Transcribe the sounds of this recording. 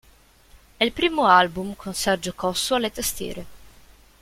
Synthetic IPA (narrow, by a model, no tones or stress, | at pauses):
ɛilpɾiːmoalbumkʰonsɛrd͡ʒokɔsːoalet̪ast̪ḭːɾe